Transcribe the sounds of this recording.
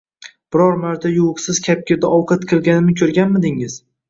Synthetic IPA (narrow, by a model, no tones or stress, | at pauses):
b̥ɪɾɒɾmaɾt̪ʰajuwqsɪzkʲʰap̚kʲɪɾd̪aʔɒwqʰɑt̪kʲʰɨlˠɡʲanɪnɪkʲʰɵɾɡʲanmɪd̪ɪŋɪz̥